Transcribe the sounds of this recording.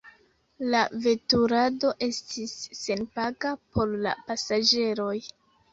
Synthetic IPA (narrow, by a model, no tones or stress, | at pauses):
lave̞tuɾado̞ʔe̞stʰisːe̞npaɡapʰo̞ɾla̰pasad͡ʒe̞ɾo̞j